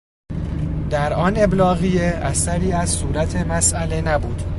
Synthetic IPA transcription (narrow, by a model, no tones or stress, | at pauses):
d̪æɾɒːne̞blɒːɣijeʔæsæɾiːæzsuːɾæt̪ʰe̞mæsʔæle̞næbuːd̪̥